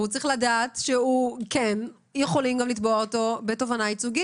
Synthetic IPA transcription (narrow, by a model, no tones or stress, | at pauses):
ut͡saʁiχladaːtʃehuken | jeχo̞limɡamlitbooto̞betovanait͡suɡi